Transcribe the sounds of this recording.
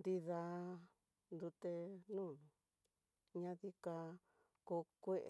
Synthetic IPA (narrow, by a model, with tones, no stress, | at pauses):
nd̪i˧ða˧ | nd̪u˧t̪e˧nũː˦˨nũ˨ | ɲã˧ði˧ka˧ | ko˧kʷe˦˧ʔ